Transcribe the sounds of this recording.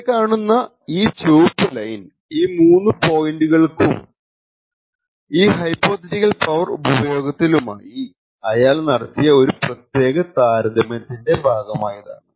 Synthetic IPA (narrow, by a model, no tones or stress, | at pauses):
kːaːɳunːɐ | iːt͡ɕuːpːɨlɐjn | iːmuːnːɨpo̞ːjɳɖuɣɐɭkṵm | iːɦɐjpːo̞ːt̪ɐtiɣɐlpɐʋɐrṵbɐbɐjo̞ːɡɐt̪ːiluma̰ːji | ɐjaːlnɐɽɐt̪ːijɐo̞ɾuprɐt̪je̞ːɣɐt̪aːɾɐd̪ʱɐmjɐt̪ːinde̞bʱaːɡɐmaːjiða̰ːɳɨ